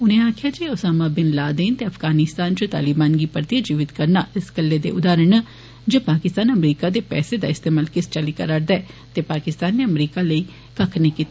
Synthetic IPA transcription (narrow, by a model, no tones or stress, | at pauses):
ʊnẽːaːkʰɪjaːd͡ʒeːosaːmaːbɪnlaːd̪eːnt̪eːɐpʰɡaːnɪst̪aːnt͡ʃot̪a̰ːlɪbaːnɡiːpəɾt̪ijad͡ʒiːʋɪt̪kəɾnaːʔɪskəlːeːd̪ḛːʔʊd̪aːɾəɳ | d͡ʒoːpaːkɪst̪aːnəmɾiːkaːd̪eːpɛ̰ːsed̪a̰ːɪst̪eːmaːlkɪst͡ʃəliːkəɾaɾd̪ɛɛːt̪eːpaːkɪst̪aːnːeːəmɾiːkaləiː | kəkʰneːkiːt̪ː